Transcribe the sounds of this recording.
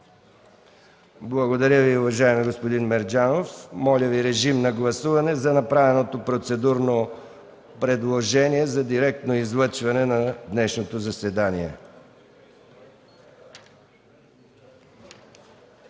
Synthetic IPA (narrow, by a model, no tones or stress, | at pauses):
blˠɐɡod̪ɐɾʲəviʊvɐʒaɛmiɡospod̪inmɛɾd͡ʒanofmɔlʲəviɾɛʒimnɐɡlˠɐsuvɐnɛzɐnɐpɾavɛnot̪opɾot̪sɛd̪uɾno | pɾɛd̪lˠoʒɛniɛzɐd̪iɾɛk̚t̪noizlˠət͡ʃvɐnɛnɐd̪nɛʃnot̪ozɐsɛd̪aniɛ̰